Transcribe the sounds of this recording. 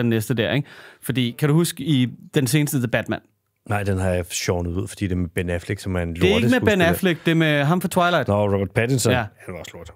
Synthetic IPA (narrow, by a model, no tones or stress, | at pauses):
enːesd̥əd̥æɐ̰eɡ̥fɒ̽d̥ḭːkʰæd̥uhusɡ̥id̥ense̝ːnəsd̥ədeb̥æd̥mæn̰ | nɑ̈ɪ̰d̥enɦɑ̈jɑ̈ɕɔʊnəuð̞̰ˠfɒd̥ḭːd̥e̝ɐmeb̥enæfleɡ̥sɒ̽mænlee̥əmebenæfleɡ̥̚d̥e̝meɦɑ̈mfɒt͡sʰwɑ̈ɪlɑɪd̥ɔʁɔb̥ɐd̥̚pʰædinsɔjææd̥eɒ̽sloɐ̰d̥